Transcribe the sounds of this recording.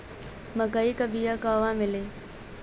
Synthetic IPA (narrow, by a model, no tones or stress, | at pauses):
məkaikəbijakaːʋãːmɪleː